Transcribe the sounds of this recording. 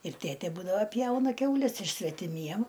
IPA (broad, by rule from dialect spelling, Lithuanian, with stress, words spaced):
ɪr ˈtʲeːtʲeː ˈbuːdɐʋɐ ˈpʲjɛʊnɐ ˈkʲɛʊlʲɛs ɪr sʲʋʲɛtʲɪˈmʲiɛm